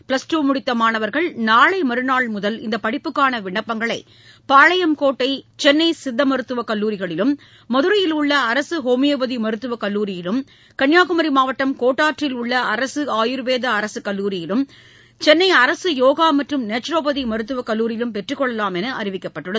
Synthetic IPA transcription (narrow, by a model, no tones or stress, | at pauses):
pɭɐsʈuːmʊɽɪt̪ːɐmaːnɐʋɐɾɣɐɭnaːɭɐɪmɐɾɯnaːɭmʊðɐlɪ̰nd̪ɐpɐɽɪpːɯkːaːnɐʋɪɳːɐpːɐŋɡɐɭɐɪ | paːɻɐjɐmkoːʈːɐɪt͡ʃɛnːɐɪsɪd̪ːɐmɐɾɯt̪ːɯʋɐkɐlːuːɾɪɣɐɭɪlɯmː | ɐðɯɾɐjɪlʊɭːɐːɾɐsɯɦoːmɪjɐbɐðimɐɾɯt̪ːɯʋɐkɐlːuːɾɪjɪlɯm | kɐɳjaːɣɯmɐɾimaːʋɐʈːɐmkoːʈːaːʈrɪlʊɭːɐɐɾɐsɯaːjɪɾɯʋeːðɐːɾɐsɯkɐlːuːɾɪjɪlɯm | t͡ʃɛnːɐɪɐɾɐsɯjoːɣaːmɐʈrɯmneːt͡ʃɾoːbɐðimɐɾɯt̪ːɯʋɐkɐlːuːɾɪjɪlɯmpɛʈrɯkːɔɭːɐlaːmɛnɐʔɐɾɪʋɪkːɐpːɐʈːɯɽɐ